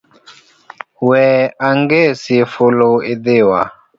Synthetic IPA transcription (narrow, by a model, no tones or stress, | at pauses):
wɛaŋɡesifʊloidewa̰